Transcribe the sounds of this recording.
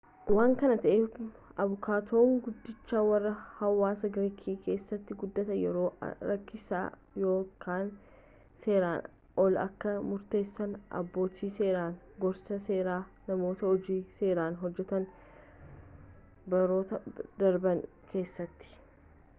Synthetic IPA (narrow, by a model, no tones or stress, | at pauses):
waːŋkɐnɐt̪ɐʔeː | ɐbʊkʰaːt̪o̞ːŋɡʊd̪ːɪt͡ʃːaːwɐrːɐhɐwːaːsɐɡɾikʰiːkʰe̞ːsːɐt̪ːɪɡʊd̪ːɐt̪ɐjɛɾo̰ːɾɐkːɪsa̰ː | jo̞ːkʰaːn | se̞ːɾaːn | ɔlɐ̰kːɐmʊɾt̪e̞ːsːɐnʔɐ̰bːo̞ːt̪ʰiːse̞ːɾaːn | ɡɔɾsɐse̞ːɾaː | nɐmo̞ːt̪ɐɔd͡ʒiːse̞ːɾaːnɦɔd͡ʒːɛt̪ɐn | bɐɾo̞ːt̪ɐd̪ɐɾbɐŋ | kʰe̞ːsːɐt̪ːɪ̥